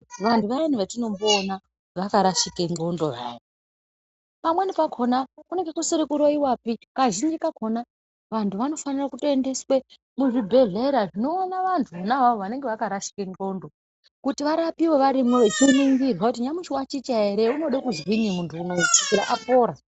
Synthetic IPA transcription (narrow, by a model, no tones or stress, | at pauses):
ʋantuʋainiʋatino̞mboːna | ʋakaɾaʃikeŋɡo̞ndo̞jaːʋo | pamwe̞nepakʰo̞nakune̞ŋɡekusiɾikuɾoiwapikaʒind͡ʒikakʰona | ʋantʰuʋano̞fanirakutoende̞swe | muʐibʱe̞ɮeɾaʐino̞ːnaʋantʰuonaɦaʋoʋane̞ŋɡe̞ʋakaɾaʃi̥keŋɡo̞ndo̞ | kutiʋaɾapiwo̞ʋaɾimwet͡ʃiniŋɡirwakut̬iɲamuʃiwat͡ʃit͡ʃaeɾeuno̞ɗekuzwiɲimuntʰuːnoi̥kiɾa̰ʔapo̞ːɾa